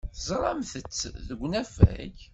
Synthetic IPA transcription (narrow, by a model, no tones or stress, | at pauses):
θzˤɾˤɑmθət͡sːðəɡʷːnæfæ̰ç